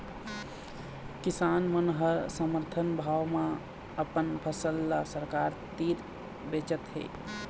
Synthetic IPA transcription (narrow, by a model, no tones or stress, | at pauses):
kisanmənɦəɾsəməɾt̪ʰənbʱaʋmẽ | əpənpʰəsəlːasəɾkaɾt̪iɾ | bet͡ʃət̪ɦḛ